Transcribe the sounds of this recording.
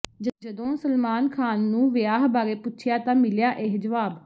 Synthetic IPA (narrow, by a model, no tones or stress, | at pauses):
d͡ʒd͡ʒəd̪õːsəlmaːnkʰaːnːũːʋɪjaːɦbaːɾeːpʊtːt͡ʃʰjaːt̪ãːmɪljaːʔeɦd͡ʒəʋaːb